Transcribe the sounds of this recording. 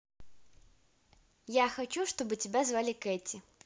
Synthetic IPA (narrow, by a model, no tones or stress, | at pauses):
jaxɐt͡ɕuʂt̪obɨtʲɪbʲazvalʲɪkɛtʲɪ